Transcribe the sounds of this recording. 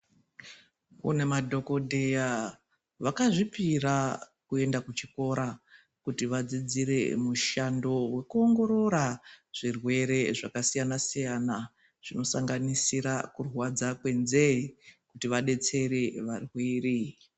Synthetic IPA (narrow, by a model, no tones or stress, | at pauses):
ṵne̞madʱo̞ko̞dʱeja | ʋakaʐipirakue̞ndakut͡ʃiko̞ɾa | kutiʋad͡zid͡ziɾe̞̰muʃando̞we̞kuo̞ŋɡo̞ɾo̞ɾaʐ̥irwe̞ɾe̞ʐakasijanasijana | ʐ̥ino̞saŋɡanisiɾakurwad͡zakwe̞nzeikutiʋaɗe̞t͡se̞ɾe̞ʋarwiːri